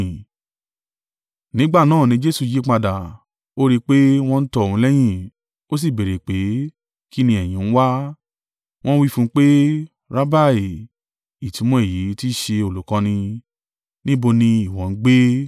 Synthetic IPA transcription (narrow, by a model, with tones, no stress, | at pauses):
nĩ˨˦ɡ͡ba˦˨nãː˦˨nĩ˧˦d͡ʒe˦su˦˧˨ji˨˦k͡pa˧da˨ | o˦ɾi˧k͡pe˦w̃ɔ̃˦˧n̩˦tɔ˦˨ũ˨˧˦lɛ˦j̃ĩ˦˨ | o˦s̬i˦˨be˨ɾe˨k͡pe˨˦ | ki˦nĩ˧˦ɛ˨j̃ĩ˨n̩˦wa˦ | w̃ɔ̃˦wi˦fũ˦˧˦k͡pe˦ | ɾa˦ba˦˨e˨ | i˨tĩ˨˦mɔ̃˨˦e˦˨ji˨˦ti˦˨ʃe˧o˨lu˨˦kɔ̃˧nĩ˧ | nĩ˦bo˧nĩ˧i˨w̃ɔ̃˨˧n̩˦ɡ͡be˦